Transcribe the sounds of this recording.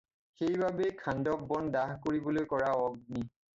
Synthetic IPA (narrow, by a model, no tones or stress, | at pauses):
xejbabekʰandɔk̚bɔndaɦkoɹibɔlojkɔɹaɔɡ̚ni